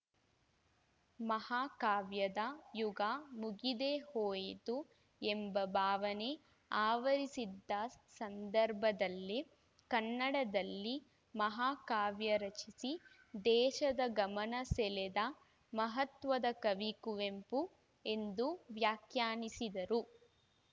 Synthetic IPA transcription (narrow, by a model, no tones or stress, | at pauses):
mɐhaːkaːʋjɐd̪ɐjuɡamuɡid̪ehoːjit̪u | embɐbʱaːʋɐne | aːʋɐɾisid̪ːɐsɐnd̪ɐɾbʱɐd̪ɐlːi | kɐnːɐɽɐd̪ɐlːi | mɐɦaːkaːʋjɐɾɐt͡ʃisi | d̪ɛːʃɐd̪ɐɡɐmɐnɐsɛlɛd̪ɐ | mɐɦɐt̪ʋɐd̪ɐkɐʋikuʋempu | e̞nd̪uʋjaːkjaːnisid̪ɐɾu